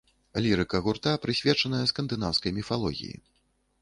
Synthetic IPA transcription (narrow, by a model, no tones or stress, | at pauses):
lʲiɾɨkɐɣurt̪apɾɨsʲvʲɛt͡ʂɐnɐjɐskɐnd̪ɨnawskɐjmʲifalˠɔɣʲḭjḭ